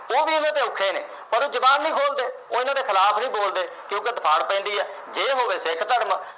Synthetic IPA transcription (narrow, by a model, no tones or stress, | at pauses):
oːbiːɪnãːt̪eːʊkʰːeːnḛː | pəɾoːd͡ʒəbaːnːĩːkʰoːld̪eːoːɪnãːd̪eːkʰɪlaːpʰnĩːboːld̪eː | kjõːked̪əpʰaːɽpɛ̃ːnd̪iːɛː | d͡ʒeːɦoːʋeːsɪkʰt̪əɽm